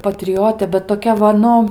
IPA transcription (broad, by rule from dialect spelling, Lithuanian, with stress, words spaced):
pɐtʲrʲɪˈjoːtʲeː bʲɛt toːˈkʲɛ ʋɐ ˈnʊ